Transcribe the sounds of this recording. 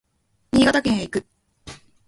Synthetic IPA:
ɲʲiːɡat̪akẽɰ̃aikɯ̟

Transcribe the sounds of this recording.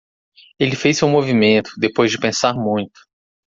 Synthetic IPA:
elɪfejsewmovimẽnt̪ʊ̥d̪epojzd͡ʒɪpẽsaɾmũj̃t̪ʊ̥

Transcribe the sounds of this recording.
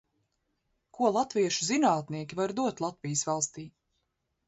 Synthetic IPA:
kʰuɔlˠat̪viɛʃuzinaːt̪niɛkʲivaɾd̪uɔt̪lˠat̪vijəsvalˠst̪iː

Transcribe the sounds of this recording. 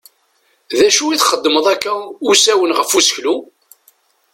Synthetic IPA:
ðæʃuiθχəd̪ːməðˤækːæusæwənʁəfusə̥çlu

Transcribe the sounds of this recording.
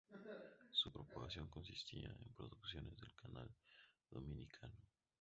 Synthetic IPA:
supɾopaɣasjo̞ŋko̞nsist̪iaempɾo̞ðuksjo̞ne̞zðe̞lkʰanald̪o̞minikʰano

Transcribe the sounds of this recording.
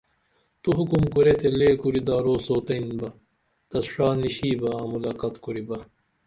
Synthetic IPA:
t̪uɦukumkuɾet̪eleːkuɾid̪aːɾoːsoːt̪ɐinbɐ | t̪ɐsʂaːniɕiːbɐamulaːkɐt̪kuɾibɐ

